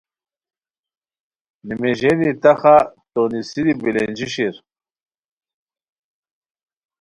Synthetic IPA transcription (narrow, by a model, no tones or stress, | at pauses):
nimeʑenit̪ɐxat̪onisidibilend͡ʑiɕiɾ